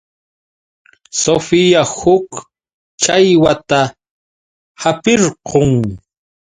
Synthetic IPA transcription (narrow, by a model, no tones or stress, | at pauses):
sofɪjahʊk | t͡ʃajwat̪a | hapɪɾqoŋ